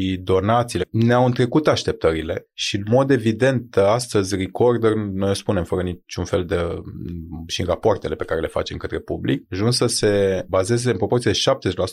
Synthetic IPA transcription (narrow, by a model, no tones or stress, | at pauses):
id̪o̞nat̪sileneawɨnt̪ɾe̞kut̪aʃt̪e̞p̚t̪əɾile̞ʃiɨnmo̞d̪e̞vid̪e̞nt̪ast̪əzʲriko̞rd̪ərnojospune̞mfəɾənit͡ʃunfe̞ld̪e | ʃirapoart̪e̞le̞pe̞kaɾe̞le̞fa̰t͡ʃe̞mkət̪ɾe̞publḭk̚ʒunsəse̞baze̞zeɨnpɾo̞po̞rt̪sied̪eʃap̚t̪ezeʃlasu